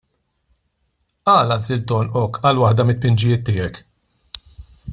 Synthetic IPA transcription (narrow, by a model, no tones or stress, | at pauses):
ɐːlɐzɪlt̪ɔnʔɔkʰːɐlwɐħd̪ɐmɪt̪̚pɪnd͡ʒɪjɪːt̪ːɪːɛk